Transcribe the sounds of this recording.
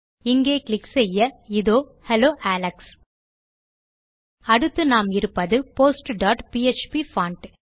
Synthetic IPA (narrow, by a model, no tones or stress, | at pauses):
ɪŋɡeːklɪkːsɛjːɐɪðoːhɛloːʔæːlɐks | ɐɽɯt̪ːɯnaːmɪɾɯpːɐðɯpoːsʈɖaːʈpiet͡ʃpifaːɳʈ